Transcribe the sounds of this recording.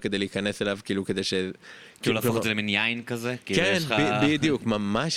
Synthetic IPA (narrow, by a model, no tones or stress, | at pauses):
ked̪ejleikɐneselavkiːluked̪ejʃe | iulakozelminjajnkɐzekikenbibid̪ijukmamaʃ